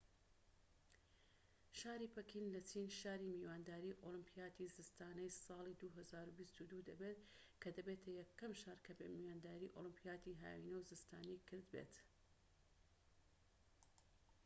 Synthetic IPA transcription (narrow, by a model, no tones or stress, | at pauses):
ʃaːɾipɐkʰinlɐt͡ʃʰinʃaːɾiːmiːwaːnd̪aːɾiːʔolɨmpʰijaːt̪ʰizɨst̪aːnɐjsɑːlˠid̪uːɦɐzaːɾubist̪ud̪ud̪ɐbeːt̪ | kʰɐd̪ɐbeːt̪ʰɐjɐkʰːɐmʃaːɾkʰɐbemiwaːnd̪aːɾiːʔolˠɨmpʰijaːt̪iɦa̰ːwḭnɐwzɨst̪ʰaːnijkʰɨɾd̪bḛt̪